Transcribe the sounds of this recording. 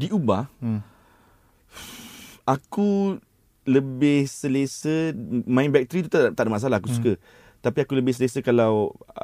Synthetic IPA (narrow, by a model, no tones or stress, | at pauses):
diʔubah | aku | ləbɪhsəlesəmãĩnbɛk̚t̪əɾit̪ut̪t̪aʔdəmas̬alahakusukə | t̪apiakuləbɪhs̬ələsəkalaw